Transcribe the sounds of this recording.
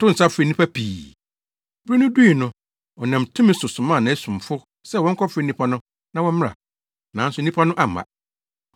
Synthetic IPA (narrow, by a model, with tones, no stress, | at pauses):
tʰʊ˦n̩˨sa˦fɪ˨nĩ˦pʰa˦pʰiː˨ | bɾi˦nʊ̃˦du˦i˨nʊ̃˦ | ɔ˨nã˨mtʰʊ̃˦mɪ̃˦sʊ˨sʊ̃˨mã˦˨nã˨æ˦sũ˨mfʊ˦ | sɛ˦˨wɔ̃˦ŋ̩˦kʰɔ˦fɪ˨˦nĩ˦pʰa˦nʊ̃˦ | nã˦wɔ̃˦m˦mɪ̃˦ɾa̰˨ | nã˨˦n̩˦sʊ˨˦nĩ˦pʰa˦nʊ̃˦ʔa˨ã̰˨